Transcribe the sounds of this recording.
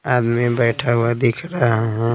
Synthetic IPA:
aːd̪mibɛːʈʰaɦuad̪ɪkʰɾaaɦɛ̃

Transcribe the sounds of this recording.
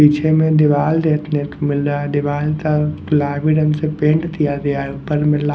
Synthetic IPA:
iːt͡ʃʰemẽd̪ɪʋaːld̪eːt̪nekomɪlɾad̪ɪʋaːlt̪ak̪ʊlaːbiɖənsepẽːɳɖt̪ijad̪ejapɐɾmɪla

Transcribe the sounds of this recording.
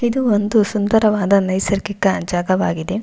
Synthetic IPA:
id̪uond̪usund̪ɐɾɐʋaːd̪ɐnɐjsɐɾkikɐd͡ʒaːɡɐʋaːɡid̪e̞

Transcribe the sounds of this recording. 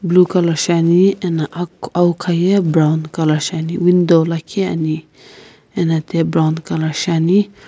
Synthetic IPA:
bluːkalaʃanienaʔkawkʰajebɾawnkalaʃaniwind̪olakʰea̰ni | enat̪ebɾawnkɐlaʃani

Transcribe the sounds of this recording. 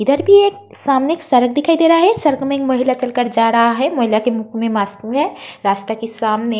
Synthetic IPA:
ɪd̪əɾbʱieːk̚ | saːmneːksɐɾək̚ʰd̪ɪkʰaːid̪eːɾaɦaɦɛsɐɾəkmẽːkmɐɦɪlat͡ʃɐlkəɾd͡ʒaːɾɐɦaɦɛmɐɦɪlakemʊkʰmẽmaːskɦɛɾaːst̪akesaːmne

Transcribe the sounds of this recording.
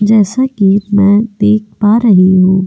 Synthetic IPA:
d͡ʒɛːsakimɛ̃ːd̪eːk̚ʰpaɾɐɦiɦũː

